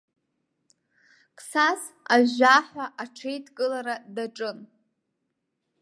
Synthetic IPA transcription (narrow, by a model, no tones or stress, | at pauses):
kʰʼsas | aaħʷᶣaʔaʈ͡ʂʰejtʰʼkʼɨlaɾadaʈ͡ʂʼɨn